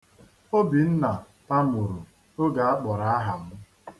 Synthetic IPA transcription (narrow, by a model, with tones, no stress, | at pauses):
o˦bi˨n̩˦na˨ | pa˦mu˨ɾu˨ | o˦ɡa˨a˦k͡pɔ˨ɾa˨a˦ɦa˨m̩˦